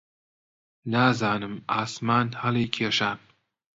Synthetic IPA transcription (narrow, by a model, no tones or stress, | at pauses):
naːzaːnɨmaːsmaːnhɐliːkʰeːʃa